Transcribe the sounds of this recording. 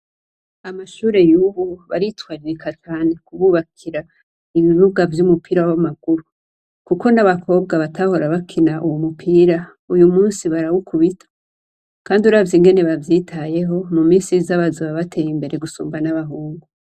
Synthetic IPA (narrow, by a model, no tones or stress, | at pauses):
amaʃuːɾe̞juːβuβaɾitwaɾikʰat͡ʃaːne̞kuβuːβakʰiɾa | iβiɾuɡavjumupiːɾawamaɡuɾu | kuko̞naβakʰo̞ːb̚ɡaβatʰaho̞ɾaβakʰinaʔuwomupʰiːɾa | ujumuːnsiβaɾawukʰuβitʰḁ | kaːndiuɾavjiŋɡe̞ne̞βavjiːtʰaje̞ɦo̞mumiːnsizaβazuβaβatʰe̞jimbe̞ɾe̞ɡusṵːmbanaβaɦuːŋɡu